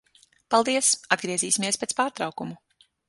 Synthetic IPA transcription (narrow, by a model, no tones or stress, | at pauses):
palˠd̪iɛsad̪̚ɡɾiɛziːsʲimiɛspʲet̪spaːɾt̪ɾawkumu